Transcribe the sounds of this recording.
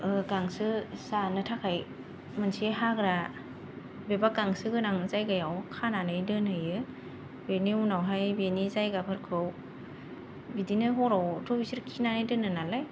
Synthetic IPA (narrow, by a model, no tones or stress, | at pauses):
ɯkaŋsɯsanɯtʰakʰaj | mɯnsieɦaɡɾa | bebakaŋsɯɡɯnaŋzajɡajawkʰananɯjdɯnɯjɯ | beniunawɦajbenizajɡapʰɯɾkʰɯw | bidinɯɦɔɾawtɾɔpʰisɯɾkʰinanɯjdɯnɯnalɯj